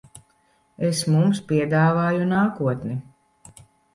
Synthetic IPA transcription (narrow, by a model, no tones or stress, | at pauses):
esmumspʲiɛd̪aːvaːjunaːkuɔt̪ni